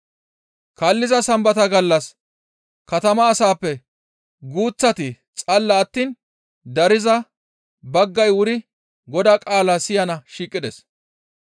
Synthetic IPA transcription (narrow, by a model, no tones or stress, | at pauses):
kɐlːɪzɐsɐmbɐt̪ɐɡɐlːɐs | kɐt̪ɐmɐːsaːpːɛ | ɡuːt͡sːɐt̪ɪ | t͡sʼɐlːɐːt̪ːiːn | d̪ɐɾɪzɐ | bɐɡːɐjwʊɾɪ | ɡɔd̪aːkʼaːlaːsɪjɐnɐʃiːkʼːɪd̪ɛs